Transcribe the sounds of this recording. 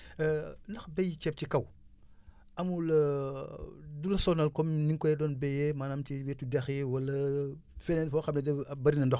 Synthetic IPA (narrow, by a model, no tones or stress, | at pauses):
nɐxbɛjcɛp̚cikɐw | ʔɐmulɐ | dulɐsɔnɐlkɔmniŋkɔjɛdɔːnbɛjɛmaːnamtiwɛtudɛxiwɐlɐfɛnɛnfɔxɐmnɐdɛbɐɾinɐndɔx